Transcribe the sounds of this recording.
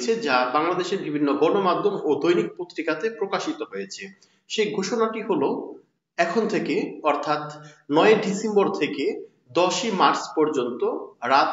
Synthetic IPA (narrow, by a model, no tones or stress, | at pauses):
t͡ɕʰed͡ʑabaŋlad̪eʃeɾbibʱinːoɡɔnomadd̪ʱomod̪ojnik̚pot̪ːɾikat̪epɾokaʃit̪oɦojet͡ɕʰe | ʃeɡʱoʃonaʈiɦolo | ɛkʰont̪ʰekeɔɾt̪ʰat̪nɔeeɖisemboɾt̪ʰeke | d̪ɔʃimaɾspɔɾd͡ʑont̪oɾat̪